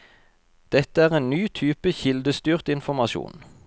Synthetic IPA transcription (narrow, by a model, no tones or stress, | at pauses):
d̪̥ɛt̪əæːʁeːnnyːt̪ʰyːpəçɪld̪əst̪yːʁt̪ɪnfɔʁmɑʃṵːn